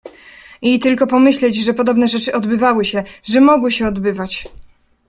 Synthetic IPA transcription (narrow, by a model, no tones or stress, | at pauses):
it̪ɘlkɔpɔmɘɕlɛd͡ʑʐɛpɔd̪ɔbnɛʐɛt͡ʂɘʔɔd̪bɘvawɘɕɛʐɛmɔɡwɘɕɛɔd̪bɘvat͡ɕ